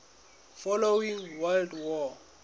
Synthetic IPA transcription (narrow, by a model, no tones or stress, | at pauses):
fɔlowiŋwaldwɔ